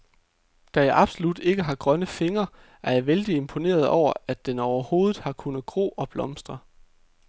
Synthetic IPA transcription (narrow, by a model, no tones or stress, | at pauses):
d̥æjɑ̈ɪʔɑ̈b̥solud̥e̝ɡ̥əɦɑ̈ɡ̥ʁɶnəfe̝ŋɐ | ʔæɐjɑ̈ɪʋeld̥ie̝mpʰo̝ne̝̰ːɐð̞̩ˠɒʊ̰ɐʔæd̥enɒʊɐho̝ːðð̩ˠhɑ̈kʰunəð̩ˠɡ̥ʁo̰ːɒ̽b̥lɒ̽msd̥ʁɐ